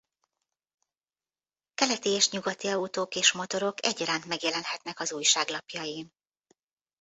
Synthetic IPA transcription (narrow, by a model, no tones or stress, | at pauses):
kɛlɛt̪eːjɛʃɲuɡɒt̪iɒut̪oːkeːʃmo̞t̪o̞ɾo̞kɛ̰ɟɒɾaːnt̪mɛɡjɛlɛnhɛt̪nɛkɒzuːjʃaːɡlɒpjɒjin